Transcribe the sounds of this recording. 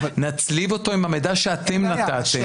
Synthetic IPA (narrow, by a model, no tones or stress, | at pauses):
nat͡slivo̞t̪o̞imamed̪aʃeat̪emnat̪at̪e